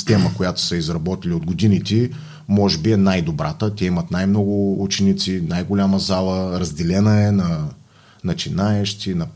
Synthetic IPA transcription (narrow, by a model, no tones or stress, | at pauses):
st̪ɛməkojat̪ʊ̥səizɾɐbɔt̪iliod̪ɡʊd̪init̪i | mɔʒɛbiɛnajd̪obɾat̪ət̪ʲɛimɐt̪najmnɔɡʊut͡ʃɛnit̪sinajɡʊlʲaməzalˠəɾɐzd̪ɛlɛnəɛnɐ | nɐt͡ʃinaɛʃt̪inɐ